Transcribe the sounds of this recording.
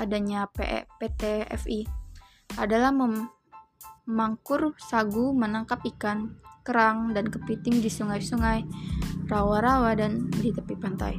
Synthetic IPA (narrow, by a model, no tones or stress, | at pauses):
adaɲapḛpet̪eɛ̰fi | adalahməm | maŋkʊrsaɡumənaŋkap̚ikankəɾaŋdankəpit̪ɪŋdisuŋajsuŋajrawaɾawadandit̪əpipant̪a̰j